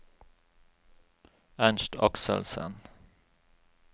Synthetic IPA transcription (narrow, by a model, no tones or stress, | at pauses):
ænʃʈɑksə̰lsə̰n